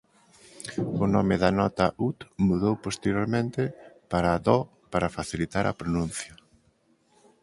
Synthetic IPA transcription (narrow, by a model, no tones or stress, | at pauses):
ʊnɔmɪðanɔt̪ɐʔut̪muðowpost̪eɾjoɾmẽnt̪ɪpaɾaðɔ | paɾafaθilit̪aɾɐ̰pɾonũn̟θjɐ